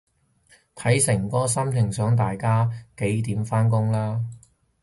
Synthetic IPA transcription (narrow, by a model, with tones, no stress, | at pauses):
t̪ʰɐ˨˥jsɪ˨˩ŋkɔː˥sɐ˥mt̪ʰɪ˨˩ŋsœː˨˥ŋt̪̬aː˨jkaː˥ke˨˥jt̪iː˨˥mfaː˥nkʊ˥ŋlaː˥